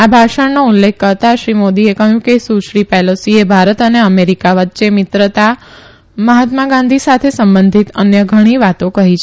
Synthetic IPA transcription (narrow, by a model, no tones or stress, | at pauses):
abʱaʃəɳnoulːekʰːəɾt̪aʃɾimod̪iekəɦjũkesuʃɾipɛlosiebʱaɾət̪əneəmeɾikaʋətːʃemɪt̪ɾət̪a | məɦat̪maɡãnd̪ʱisat̪ʰesəmbənd̪ʱit̪ənjəɡʱəɽ̃iʋat̪õkəɦit͡ʃʰ